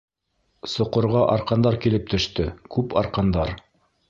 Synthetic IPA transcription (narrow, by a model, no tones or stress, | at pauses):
sŏqŏɾʁɑʔɑɾqɑnd̪ɑɾkilɘp̚t̪ɵ̆ʃt̪ɵkʉpɑ̰ɾqɑnd̪ɑɾ